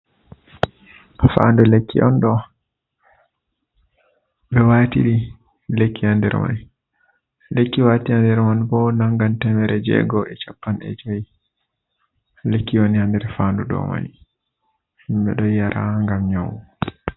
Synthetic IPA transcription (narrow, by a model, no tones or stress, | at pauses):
fa̰ːndulekːḭʔɔnɗɔ | ɓɛwaːtḭɾi | lekːiandɛ̰ɾma̰n | lekːiwatiandɛɾmanbɔnaŋɡantɛmɛɾɛd͡ʒɛ̰ɡɔɛt͡ʃapːanɛ̰d͡ʒoji | lekːiwonihandɛɾfaːnduɗɔ̰ma̰n | himɓɛ̰ɗɔjjaɾaŋɡamɲowɔ